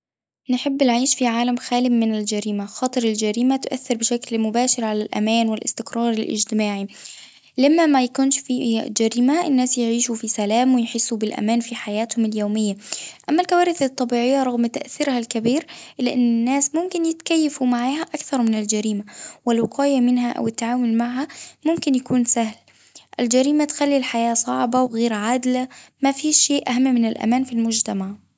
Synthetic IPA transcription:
nħɪbːnʕiːʃfiʕaːlamxæːlɪmɪnɪld͡ʒæɾiːmaxɑːt̪ˤɨɾɪld͡ʒæɾiːmat̪ʊʔa̰θːɪɾbɪʃæklmʊbæːʃɪɾʕalælʔæ̰mæːnwɪlʔɪ̰st̪ɪkɾˤɑːɾˤɪlʔɪ̰d͡ʒt̪ɪmaːʕi | lamːamæjakuːnʃfid͡ʒæɾiːmaʔɪnːæːsjɪʕiːʃufisælæːmwɪjħɪsːubɪlʔæ̰mæːnfiħajæːt̪hʊmɪljoːmɪjːaʔamːalkawaːɾɪθɨt̪ˤːɑbiːʕɪjːaɾˤɑɣmt̪aʔθɪɾhalkabiːɾʔɪlːɪʔɪnːɪnːaːsmʊmkɪnjɪt̪kajːafumaʕaːhaʔakθɑɾˤmɪnɪld͡ʒaɾiːmawɪlwɑqɑːjamɪnɦaʔa̰wɪt̪ːʕaːmʊlmaʕɦamʊmkɪnjakuːnsahl | ʔɪld͡ʒaɾiːmat̪xalːilħajaːsˤɑʕbawɣeːɾʕaːd̪lamafiːʃːeːʔaɦamːmɪnɪlʔa̰maːnfilmʊd͡ʒt̪amaʕ

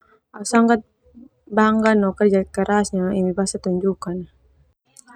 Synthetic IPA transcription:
asaŋɡat̪̚ | baŋɡanɔkərd͡ʒatkəɾasɲaimibasat̪uɲd͡ʒukan

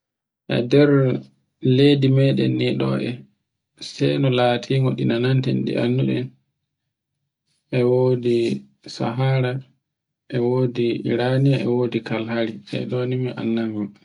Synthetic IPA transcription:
ʔɛ̰dɛɾ | ledimɛɗɛ̰nːiɗɔ̰ʔɛ | sɛjnɔlaːtʰiŋɡɔɗḭnanantɛ̰nɗḭʔanːuɗɛn | ʔɛwoːdi | sa̰ɦaːɾa | ʔɛwoːdiɾaniaɛwodikalhaɾiɛ̰ɗonimiʔa̰nːaŋɡɔm

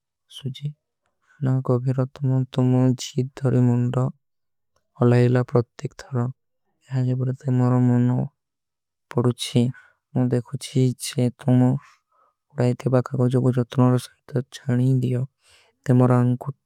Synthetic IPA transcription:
sud͡ʒi | naɡɔbʱiɾɔt̪ɔmɔt̪umɔd͡ʒit̪̚d̪ʱɔɾimɔnɖɔ | ɔlajlapɾɔt̪jekt̪ʰɔɾɔ | eɦad͡ʒebɔɾet̪emɔɾɔmɔnɔ | pɔɽut͡ʃʰi | mũd̪ekʰut͡ʃʰid͡ʒet̪umɔ | uɽajt̪ʰibakʰaɡɔd͡ʒɔbud͡ʒɔt̪ɾ̃ɔɾɔsaɦt̪ɔt͡ʃʰaɽ̃id̪ijɔ | t̪emɔɾɔaŋku

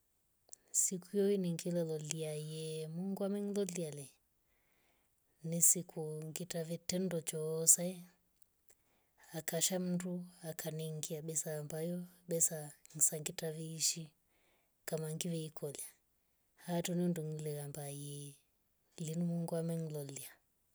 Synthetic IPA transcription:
sikujɔiniŋɡilɛlɔliajɛmuŋɡwamɛŋlɔlialɛ | nisikʰuŋɡitavɛtɛndɔt͡ʃɔsaɛ | akaʃam̩nduakʰanɛŋɡiaɓɛsambajɔɓɛsaŋisaŋɡitaviːʃi | kamaŋɡivɛikʰɔlja | hatɔninduŋlɛɣambajɛ | linimuŋɡwamɛŋ̩lɔlia

